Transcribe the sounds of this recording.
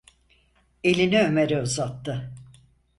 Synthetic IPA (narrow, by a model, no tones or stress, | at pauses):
e̞lʲiniømeɾɛuzat̪ːɯ